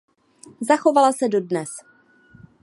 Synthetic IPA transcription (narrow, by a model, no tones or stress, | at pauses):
zaxo̞valasɛdo̞dnɛs